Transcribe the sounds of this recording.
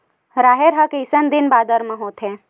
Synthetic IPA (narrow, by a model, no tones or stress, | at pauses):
ɾaːɦeɾɦɐkeɪsənd̪ɪnbaːd̪əɾmə̃ɦoːt̪ɦẽː